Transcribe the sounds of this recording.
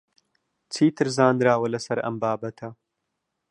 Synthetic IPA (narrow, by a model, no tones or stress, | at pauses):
t͡sʰiːt̪ʰɨɾzaːnd̪ɾaːwɐlɐsɐɾɐ̰mbaːbɐt̪ʰɐ